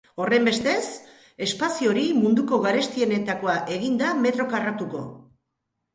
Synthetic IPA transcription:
o̞re̞mbe̞st̪e̞s | e̞spasio̞ɾimund̪uko̞ɣaɾe̞st̪ie̞ne̞t̪ako̞aʔe̞ɣind̪ame̞t̪ɾo̞karat̪uko̞

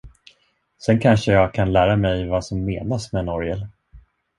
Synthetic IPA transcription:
sɛnkʰanʂəjɑːɡ̚kʰanlæːɾamɛjvasɔmːeːnasmɛnɔɾjɛl

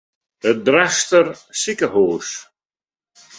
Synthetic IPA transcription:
ədrɛstərsikəhoːs

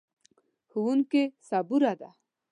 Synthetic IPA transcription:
xuwunkesabuɾad̪a

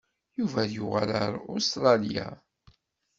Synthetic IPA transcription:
juvæðjʊʁaləɾˤʊst̪ɾˤɑlja̰

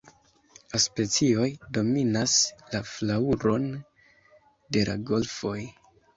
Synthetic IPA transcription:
laspe̞t͡sio̞jdo̞minaslaflauɾo̞n | de̞lʔa̰ɡo̞lfo̞j

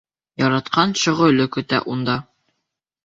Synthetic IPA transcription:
jɒɾɑt̪qɑnɕŏʁɤ̆lɵkɵ̆t̪æ̰ʔund̪ɑ

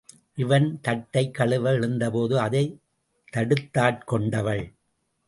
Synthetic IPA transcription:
ʔɪʋɐnt̪ɐʈːɐɪkːɐɭɯʋɐɪɻɯnd̪ɐpoːðɯɐðɐɪ | t̪ːɐɽɯt̪ːaːʈkɔɳɖɐʋɐɭ

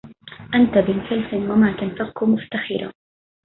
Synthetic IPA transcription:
ʔant̪abɪnsalfɪnwamaːt̪anfaqkʊmʊft̪axɪɾa̰

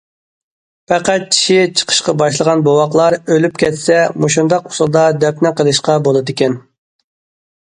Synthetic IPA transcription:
pɛqæt̪̚t͡ʃʰi̥ʃit͡ʃʰə̥qʰə̥ʃqɑbɑʃlˠəʁɑnbowɑqlˠɑɾølyp̚kʲɛt̪sɛmoʃund̪ɑqusulˠd̪ɑd̪ɛpnɪqəlˠɨʃqɑbolˠɨd̪ɪkʲɛn

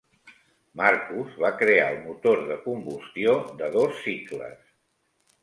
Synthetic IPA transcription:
maɾkuzβakɾea̰əlˠmut̪oɾðəkumbust̪iod̪əðosːit̪lə̰s

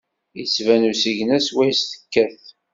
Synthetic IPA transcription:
jət͡sːvænusiʝənæswæjst̪ə̥kːæθ

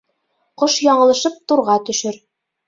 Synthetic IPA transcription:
qoʃjɒɴɤ̆lˠɤ̆ʃɤp̚t̪uɾʁɑt̪ɵ̆ʃɘɾ

